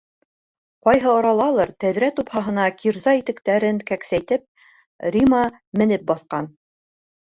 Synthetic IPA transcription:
qɒjɦɤɒɾɑlˠɑlˠɤɾt̪æðɾæt̪uphɑɦɤ̆nɑkʰiɾzɑit̪ɘ̆kt̪æɾɘŋkæksæjt̪ɘp̚ | rʲimɑ | mɘ̆nɘp̚bɑθqɑn

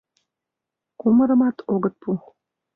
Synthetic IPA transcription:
kuməɾɤ̆mɑt̪ʰoɡɤ̆t̪̚pux

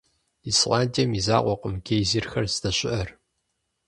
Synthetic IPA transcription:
isʔɑːndʰiɛmiza̰ːqʷɔqəmɡʲeːjziːrxɐrzdɐɕʼɪʔɐr

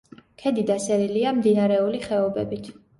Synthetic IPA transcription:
kʰɛd̪id̪asɛɾiliamd̪inaɾɛuliχɛɔbɛbit̪ʰ

